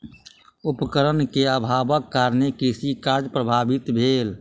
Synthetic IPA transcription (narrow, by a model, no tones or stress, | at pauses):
ʊpkəɾənkeəbʱaːbəkːaːɾnekisikaːɾd͡ʒpɾəbʱaːbɪt̪bʱeːl